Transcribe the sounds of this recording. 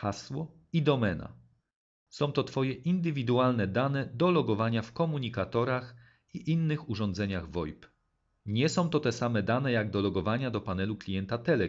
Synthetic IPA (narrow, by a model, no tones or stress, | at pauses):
xaswɔ | id̪ɔmɛna̰ | sɔ̃w̃t̪ɔt̪fɔjɛʔind̪ɘvʲid̪ualnɛd̪anɛd̪ɔlɔɡɔvaɲafkɔmuɲikat̪ɔɾax | iʔinːɘxuʐɔ̃nd̪zɛɲaɣvɔjp | ɲɛsɔ̃w̃t̪ɔt̪ɛsamɛd̪anɛjaɡd̪ɔlɔɡɔvaɲad̪ɔpanɛluklʲijɛnt̪at̪ɛlɛ